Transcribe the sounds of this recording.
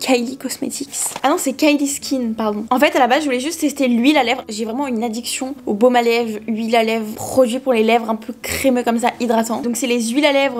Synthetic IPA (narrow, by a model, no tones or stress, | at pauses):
kʰajlikɔsmḛt̪ʰiksanɔ̃sɛkajliskʲʰinpaʁd̪ɔ̃ɑ̃fɛt̪alabazʒəvulɛʒyst̪t̪ːɛst̪elɥilalɛvʁʒevʁɛmɑ̃ynad̪iksjɔ̃obomalɛvlɥilalɛvʁχɔd̪ɥipuʁlelɛvʁɛ̃pøkχemøkɔmsaʔid̪ʁat̪ɑ̃d̪ɔ̃ksɛlezɥilalɛvʁ